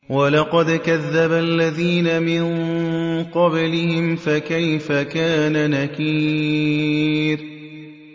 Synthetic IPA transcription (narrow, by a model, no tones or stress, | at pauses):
walɑqɑd̪kaðːabaʔlːaðiːnamɪn | qɑblɪhɪmfakajfakaːnanakiː | ɾ